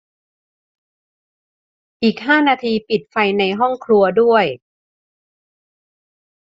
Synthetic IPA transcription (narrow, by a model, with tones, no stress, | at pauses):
ʔiː˨˩k̚ɦaː˥˩naː˧t̪ʰiː˧pi˨˩t̪̚fa˧jna˧jɦɔ˥˩ŋkʰlu˧ɐdu˥˩əj